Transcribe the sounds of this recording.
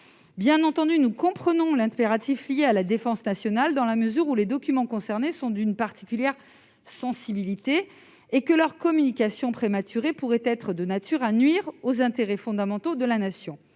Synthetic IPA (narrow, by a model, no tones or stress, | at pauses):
bjɛ̃nɑ̃t̪ɑ̃d̪ynukɔ̃pχənɔ̃lɛ̃peʁat̪iflijealad̪efɑ̃snasjɔnald̪ɑ̃laməzyʁuled̪ɔkʲymɑ̃kɔ̃sɛʁnesɔ̃d̪ynpaʁt̪i̥kʲyljɛʁ | sɑ̃sibilit̪eː | kəlœʁkɔmynikasjɔ̃pχemat̪ʰyʁepuʁɛt̪ɛt̪χəd̪ənat̪ʰyʁanɥiʁozɛ̃t̪eʁɛfɔ̃d̪amɑ̃t̪od̪əlanasjɔ̃